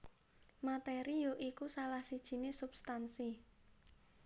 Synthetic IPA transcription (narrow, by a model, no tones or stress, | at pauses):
mat̪eɾijoʔikusalahsid̥ʒ̥i̤nesubst̪ansi